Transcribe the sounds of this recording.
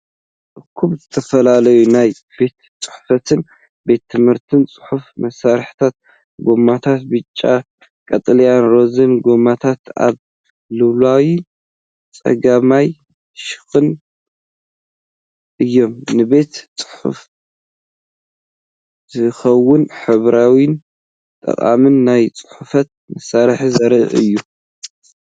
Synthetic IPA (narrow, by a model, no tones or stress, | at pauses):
ʔɨkʰuβzɨt̪ʰɐfɐlalɐjunaj | be̞t̪ | t͡sʼɨ̥ħfɐt̪ʰɨn | be̞t̪ʰːɨmhɨɾt̪ʰɨnt͡sʼɨ̥ħufmɐsaɾħt̪ʰat̪̚ | ɡo̞mat̪ʰat̪̚bɨt͡ʃʼːa̰ | kʼɐt̪ʼlɐjanɾo̞zɨnɡo̞mat̪ʰat̪a̰β | lɨβlawi | t͡sʼɐ̰ɡamaj | ʃɨ̥xɨn | ʔɨjːo̞mnɨβe̞t̪t͡sʼɨ̥ħṵf | z̥ɨxɐwːʊnħɨβɾawin | t̪ʼɐ̰χʼa̰mɨnːajt͡sʼɨ̥ħufɐt̪̚mɐsaɾħizɐɾɨʔɨ̰jːu